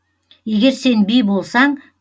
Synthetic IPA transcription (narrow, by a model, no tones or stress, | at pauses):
je̞ɡʲe̞ɾse̞nbijbo̞lˠsɑɴ